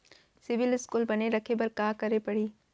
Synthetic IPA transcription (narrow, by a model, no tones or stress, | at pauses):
sɪʋɪlɪskuːlbɐneɾɐkʰebɐɾkaːkɐɾepɐɽ̤iː